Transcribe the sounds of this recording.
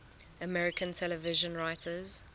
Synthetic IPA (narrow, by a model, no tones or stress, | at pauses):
əmɛɹɪkʰə̃ntʰɛləvɪʒə̃nɹaɪtʰəz̥